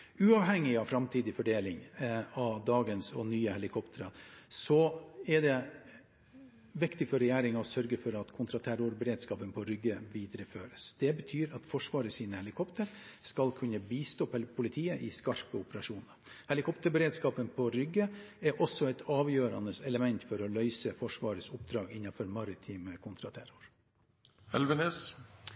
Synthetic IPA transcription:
ʉːɑʋhɛŋːɪɑʋfɾɑmt̪ʰiːd̪ɪfɔɖeːlɪŋɑʋd̪ɑːɡənsɔ̰nyːəhɛlɪkʰɔpt̪ʰəɾɑsɔɛɖɛ | ʋɪkt̪ɪfɔɾɛjæːɾɪŋɑɔsœɾɡəfɔɾɑt̪kʰʊnt̪ʰɾɑt̪ʰæɾʊɾbəɾeːd̪skɑːpənpʰɔɾʏɡːəʋiːd̪əɾəføːɾəsd̪̥ɛbət̪ʰyːɾɑt̪fɔʂʋɑːɾəsiːnəhɛlɪkʰɔpt̪ʰəɾskɑlkʰʉnːəbiːst̪oːpʰɛlpʰʊlɪt̪ʰiːəʔɪskɑɾpəʊpəɾɑʂuːnəɾhɛlɪkʰɔpt̪əbəɾeːd̪skɑːpənpʰɔɾʏɡːəɛɾʔɔsːɔɛt̪ʰɑːʋjøːɾɑnəsɛləmɛnt̪fɔɾɔlœʏsəfɔʂʋɑːɾəsʊpd̪ɾɑːɡɪnːɑfɔɾmɑɾɪt̪ʰiːməkʰʊnt̪ʰɾɑt̪ʰæɾʊɾ | ɛ̰lʋəneːs

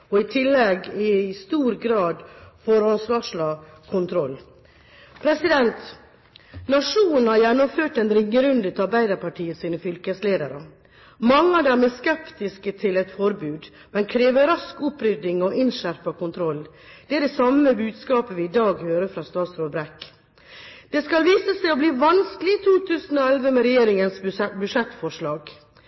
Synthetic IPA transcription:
ɔɪt̪ʰɪlːɛɡɪst̪uːɾɡɾɑːd̪fɔɾɑnsʋɑːʂɭɑː | kʰʊnt̪ʰɾɔlː | pʰɾɛsɪd̪ɛnt̪ | nɑʂuːnn̩hɑɾjɛnːɔmføːʈɛnɾɪŋːəɾʉnd̪ət̪ɑɾbæɪd̪ɑɾpʰɑʈʰiːəsiːnəfʏlkəsleːd̪əɾə | mɑŋːəɑd̪æːɾmeːskɛpt̪ɪskət̪ʰɪlɛt̪fɔɾbʉːd̪ | mɛnkʰɾeːʋəɾɑskʊpɾʏd̪ɪŋɔʔɪnʃæɾpɑkʊnt̪ʰɾɔlː | d̪̥ɛæɖɛsɑməbʉːd̪skɑːpəʋɪɪd̪ɑːɡhøːɾəfɾɑst̪ɑːt̪sɾɔːbɾɛk | d̪̥ɛskɑlʋiːsəsæɪɔbliːʋɑnskəlɪt̪ʰuːt̪ʰʉːsən̩ɔɛlʋəmɛɾɛjeːɾɪŋənsbʉʂɛt̪fɔʂɭɑːɡ

